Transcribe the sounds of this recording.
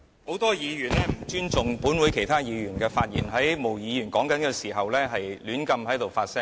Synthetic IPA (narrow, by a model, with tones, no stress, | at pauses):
ho˨˥wt̪ɔː˥jiː˨˧jyː˨˩nlɛː˥m̩˨˩t͡ʃyː˥nt͡sʊ˨ŋpuː˨˥nwuː˨˧jkʰe˨˩jt̪ʰaː˥jiː˨˧jyː˨˩nkɛː˧faː˧t̚jḭ˨˩nɦɐ˨˥jmo˨˩wjiː˨˧jyː˨˩nkɔː˨˥ŋkɐ˨˥nkɛː˧siː˨˩ɦɐ˨wlɛː˥ɦɐ˨jlyː˨˥nkɐ˧mɦɐ˨˥jt̪o˨˩wfaː˧t̚sɛ˥